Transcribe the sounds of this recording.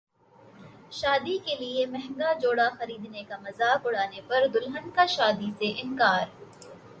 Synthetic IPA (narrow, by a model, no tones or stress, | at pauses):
ʃaːd̪ikeliemɛɦŋɡad͡ʒoːɽaxɐɾiːd̪nekamɐzaːkʊɽ̤aːnepɐɾd̪ʊlɦənkaʃaːd̪iseʔɪ̃nkaːɾ